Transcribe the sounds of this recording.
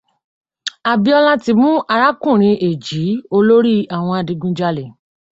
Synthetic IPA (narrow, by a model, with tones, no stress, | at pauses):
a˨bi˧ɔ˧la˦ti˧mũ˦a˧ɾa˦kũ˦˨ɾ̃ĩ˧ʔe˨d͡ʒi˨˦o˧lo˦ɾi˦a˨w̃ɔ̃˧a˨dĩ˧ɡũ˧d͡ʒa˧le˨